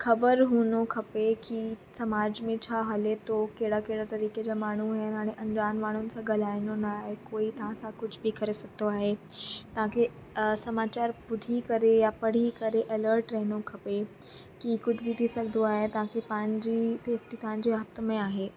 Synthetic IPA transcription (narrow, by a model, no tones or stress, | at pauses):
kʰɐbəɾɦunokʰɐpekisɐmaːd͡ʑmẽt͡ɕʰaɦəlet̪okeɽakeɽat̪ɐɾiːked͡ʑamaːɳ̤uɦenaːɽ̃iʔɐɲd͡ʑaːnmaːɳ̤̃unɪsaɡɐlaːjnonaɦekoːit̪ãsakʊd͡ʑʱʰbikɐɾesɐɡ̚d̪oaːɦe | t̪ɐãkʰe | sɐmat͡ɕaːɾbʊd̪ʱikəɾejapəɽ̤ikəɾeʔɐləɾʈɾəɦnokʰɐpe | kikʊd͡ʑʰʱbʱit̪isɐɡd̪oaːɦet̪ɐʋ̤ãkʰepaɲd͡ʑiːseːfʈit̪ɦãɲd͡ʑeət̪əmẽaːɦe